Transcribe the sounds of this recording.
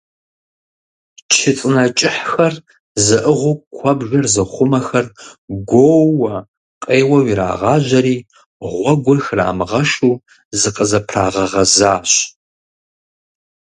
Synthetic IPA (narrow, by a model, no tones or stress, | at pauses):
t͡ʃʰɪt͡sʼɨnɐt͡ʃʼɪħxɐr | zɨʔəʁʷʊkʷʰɐbʒɐrzɨχʷʊmɐxɐrɡʷowɐ | qʼeːwɐwiɾa̰ːʁɑːʑɐɾiː | ʁʷɔɡʷɔxra̰ːmɨʁɐʃuː | zɨqʼəzɐpʰra̰ːʁɐʁɐzaːɕ